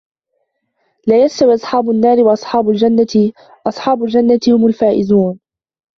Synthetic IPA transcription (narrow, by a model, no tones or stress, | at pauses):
laːjast̪awiʔɑsˤħɑːbʊnːaːɾɪwɑʔɑsˤħɑːbʊld͡ʒanːa | ʔɑsˤħɑːbʊld͡ʒanːat̪ɪhʊmʊlfaːʔɪzuːn